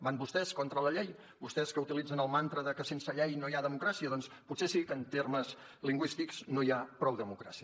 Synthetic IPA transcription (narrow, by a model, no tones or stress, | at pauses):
banbust̪ɛskɔnt̪ɾələʎɛj | bust̪ɛskəut̪ilid͡zənəlˠmant̪ɾəðəkəsensəʎɛjnoiaðəmukɾasiəðɔnsputsesikənt̪erməz | liŋɡwist̪ikz̥noiapɾɔwðəmukɾa̰siə